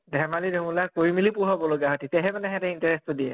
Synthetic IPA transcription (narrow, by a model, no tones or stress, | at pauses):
dʱɛmalidʱoŋulakoɹimilipʊɹɦɔbɔloɡaɦotitɛɦɛmanɛɦɛtaintaɹɛstɔdiɛ̰